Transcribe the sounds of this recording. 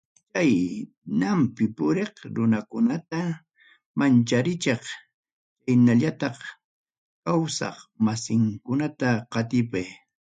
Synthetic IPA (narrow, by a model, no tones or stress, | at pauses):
t͡ʃaj | nampɪpʊɾeχɾʊnakʊnat̪a | mant͡ʃaɾɪt͡ʃɑχ | t͡ʃajnaʎat̪ɑχ | kawsɑ̰χmasɪŋkʊnat̪aqɑt̪ɪpaj